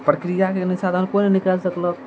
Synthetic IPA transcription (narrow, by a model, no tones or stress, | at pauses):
pɾəkɾijakenisad̪ʱankonenikalsəklək